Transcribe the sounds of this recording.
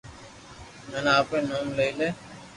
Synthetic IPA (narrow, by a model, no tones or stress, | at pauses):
nənaːpẽːnoːmləileː